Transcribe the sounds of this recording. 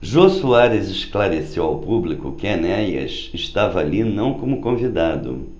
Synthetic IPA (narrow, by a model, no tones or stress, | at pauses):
ʒosuaɾezɪʃklaɾesewawpublikʊ̰kɪanɛjɐ̰sɪʃt̪avɐalinɐ̃w̃kõmʊkõvid̪ad̪ʊ̰